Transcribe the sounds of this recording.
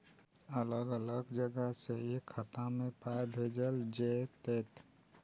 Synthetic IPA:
ələɡələɡd͡ʒəɡəseekʰːət̪ãmẽpajbʱeːd͡ʒəld͡ʒet̪eːt̪

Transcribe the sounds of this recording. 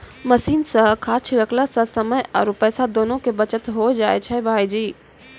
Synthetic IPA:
mɐsiːnsɐ̃kʰaːt͡ʃʰiɾəkʰlasɐ̃sɐməjɔ̰ːɾʊpəːsad̪oːnõkebɐt͡ʃət̪ɦod͡ʒaːet͡ʃʰɛbʱaːid͡ʒiː

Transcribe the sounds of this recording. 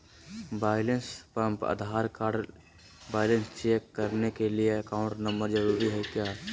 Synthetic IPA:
baːɪlə̃nspə̃mpə̰d̪ʱaːɾkaːɖ | baːɪlənst͡ʃeːkːəɾnekelieɐkaːʊ̃ɳʈnəmbəɾd͡ʒəɾuːɾiɦɛkjaːɛ

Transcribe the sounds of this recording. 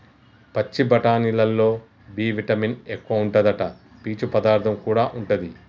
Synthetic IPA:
pɐt͡ʃːibɐʈaːnilɐlːo̞ː | biːʋiʈɐminekːuʋɐuɳʈɐd̪ɐʈɐ | piːt͡ʃupɐd̪aːɾt̪ʰɐmkuːɽaːʔuɳʈɐd̪i

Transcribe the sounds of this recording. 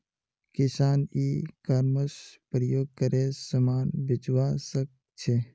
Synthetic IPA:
kɪsaːnikəɾməspɾəjoːɡ̚kəɾesəmaːnbɪd͡ʒwasək̚ | t͡ʃʰe

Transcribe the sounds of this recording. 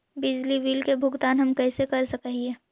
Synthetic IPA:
bɪd͡ʒliʋiːlkebʱʊɡt̪aːnɦɐmkɛːsekɐɾsɐkɦiɛː

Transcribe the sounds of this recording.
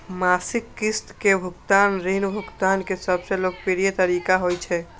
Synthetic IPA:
masikːist̪kebʱukt̪anɾinbʱukt̪ankesəbselok̚piɾijet̪əɾikaɦojt͡ʃʰɛ

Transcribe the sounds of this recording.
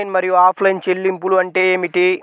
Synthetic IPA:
jnmɐɾijuaːpʰlɐjnt͡ʃelːimpuluɐɳʈe̞ːeːmiʈi

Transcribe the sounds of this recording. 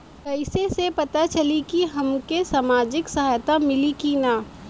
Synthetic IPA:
kɐɪsesepɐt̪at͡ʃɐlikiɦɐmkesaːmaːd͡ʒɪksɐɦaːjt̪amɪlikinaː

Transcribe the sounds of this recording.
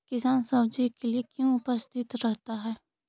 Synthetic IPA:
kɪsaːnsɐbd͡ʒikeliekjõʊpəst̪ʰɪt̪ɾɛɦt̪aɦɛː

